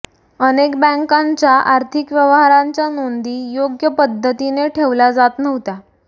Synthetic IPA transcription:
ənekbə̃ŋkãɲt͡ɕjaʔaɾt̪ʰikʋjəʋɦaɾaɲt͡ɕjanond̪iːjoɡjəpəd̪ʱːət̪ineʈʰeʋlad͡zat̪nəʋ̤t̪a

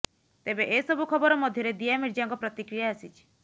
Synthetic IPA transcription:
t̪ebeʔesɔbukʰɔbɔɾɔmɔd̪ʱjɔɾed̪iamiɾd͡ʒaŋkɔpɾɔt̪ikɾijaːsit͡ʃʰi̥

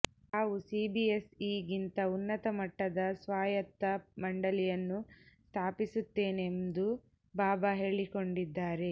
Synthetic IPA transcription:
haːʋusiːbiesiːɡint̪ɐunːɐt̪ɐmɐʈːɐd̪ɐsʋaːjɐt̪ːɐmɐɳɖɐlijɐnːust̪ʰaːpisut̪ːe̞ːnend̪u | baːbaɦe̞ːɭiko̞ɳɖid̪ːaːɾe̞

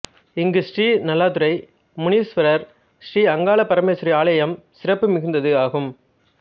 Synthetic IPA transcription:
ɪŋɡɯsʈiːnɐlːaːt̪ɯɾɐɪ | mʊniːsʋɐɾɐɾ | sriːɐŋɡaːɭɐpɐɾɐmeːsɾiaːɭɐjɐmsɪɾɐpːɯmɪɣɪnd̪ɐðɯaːɣɯm

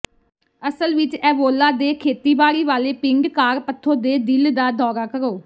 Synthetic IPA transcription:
əsəlʋɪt͡ʃɛːʋoːlaːd̪eːkʰeːt̪iːbaːɽiːʋaːleːpɪŋɡkaːɾpət̪ʰːõːd̪eːd̪ɪld̪aːd̪ʱɔːɾaːkəɾoː

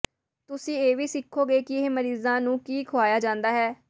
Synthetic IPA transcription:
t̪ʊsĩːeːʋiːsɪkʰːoːɡeːkɪɪɦeməɾiːzãːnũːkiːkʰʊaːjaːd͡ʒãːnd̪aːɦɛː

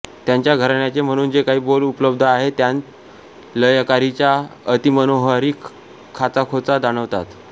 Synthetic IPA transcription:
t̪jaɲt͡ɕjaɡʱəɾɳjat͡sem̤əɽ̃uːnd͡zekaɦiːbolupləb̚d̪ʱaɦet̪jan | ləjkaɾit͡ɕjaət̪imənoɦaɾiːk | kʰːat͡sakʰot͡sad̪aɽ̃əʋt̪at̪

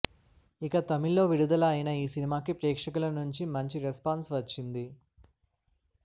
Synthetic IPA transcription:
ikɐt̪ɐmilːo̞ːʋiɽud̪ɐlɐːjinɐiːsinimaːkipɾɛːkʂɐkulɐnuɲt͡ʃimɐɲt͡ʃiɾespaːnsʋɐt͡ʃːind̪i

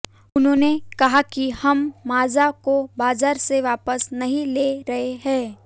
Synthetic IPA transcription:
ʊnɦõːnekɐɦakihɐmːaːzakobaːzaːɾseʋaːpəsnɐɦĩleːɾɐɦeɦɛ̃ː

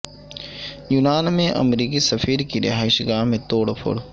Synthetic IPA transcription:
juːnaːnmẽʔɐ̰mɾiːk̬isɐfʰiːɾkiɾɪ̰ɦaːɪʃɡaːɦmẽt̪oːɽpʰʊ̰ɽ

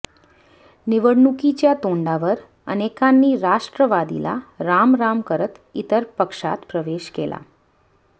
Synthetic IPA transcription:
niʋəɽnukit͡ɕjat̪oɳɖaʋəɾ | ə̰nekãnːiːɾaʂʈɾəʋad̪ḭla̰ɾamɾamkəɾət̪it̪əɾpəkʂa̰t̪pɾəʋeʃkelʔa̰

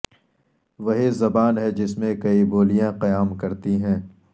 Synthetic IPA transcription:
ʋɐɦizɐbaːnɦɛd͡ʒɪsmẽkɐiboːlijãqɐjaːmkɐɾt̪iɦɛ̃ː

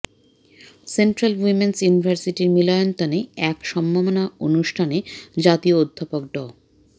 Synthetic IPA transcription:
senʈɾalwimensjunibʱaɾsiʈiɾmilɔjont̪aneɛkʃɔmbʱamonaonuʃʈʰaned͡ʑat̪iood̪ʱːapok̚ɖɔ

